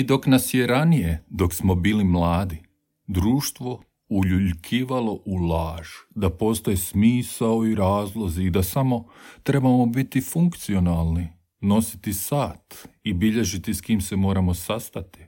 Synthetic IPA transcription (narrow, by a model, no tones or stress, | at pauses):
id̪o̞knasjeɾanije̞d̪o̞ksmo̞biːlimlˠaːd̪i | d̪ɾuːʃt̪ʋo̞ | uʎuʎkʰiːʋalˠo̞ʔulˠaːʒ̥d̪apo̞ːst̪o̞jesmiːsaoiɾaːzlˠo̞ziːd̪asamo̞t̪ɾe̞bamo̞bit̪ifuŋkt̪sio̞nalˠni | no̞si̥t̪isaːt̪ibiʎe̞ʒit̪iskiːmse̞mo̞ːɾamo̞sast̪at̪i̥